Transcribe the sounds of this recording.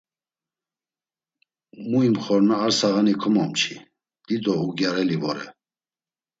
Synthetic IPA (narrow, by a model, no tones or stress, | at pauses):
muimχɔɾnaːɾsaɣanikʰɔmɔmt͡ʃʰi | d̪̥id̪ɔuɡjaɾɛlivɔɾɛ̰